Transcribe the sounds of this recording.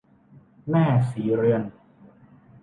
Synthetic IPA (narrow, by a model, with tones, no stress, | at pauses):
nɛː˥˩siː˩˦ɾɯ˧ən